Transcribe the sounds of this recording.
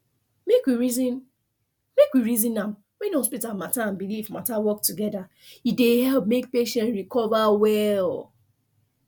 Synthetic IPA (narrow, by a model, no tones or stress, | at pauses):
mekwiɹizin | mekwiɹizĩnãm | wĩnõspitamataãnbilifmatawɔk̚tuɡɛda | idehɛlp̚mek̚peʃɛ̃ntɹikɔvawɛl